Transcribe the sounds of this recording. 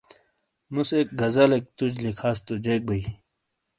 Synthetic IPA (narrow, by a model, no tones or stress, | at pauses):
musek̚ɡɐzalek̚t̪ud͡ʑlikʰaːst̪ud͡ʑeːk̚bɐi